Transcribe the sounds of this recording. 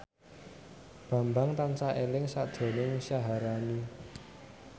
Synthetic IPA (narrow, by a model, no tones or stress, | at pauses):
b̥ä̤mbaŋt̪ansaʔelɪŋsad̥d̪̥o̤nɪŋsaɦaɾani